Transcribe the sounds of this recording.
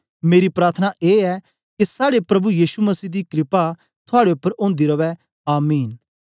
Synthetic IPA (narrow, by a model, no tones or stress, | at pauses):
meːɾipɾaːɾt̪ʰənaʔeːɛ | kisaːɽepɾɐbujiːʃumɐsiːd̪ikɾɪpa | t̪ʰʊaːɽeʊpːəɾõːnd̪iɾɐʋɛ | aːmiːn